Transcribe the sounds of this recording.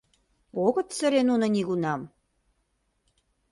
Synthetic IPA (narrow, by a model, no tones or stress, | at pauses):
oɣə̆t̪sə̆ɾenunŏniɣunɑm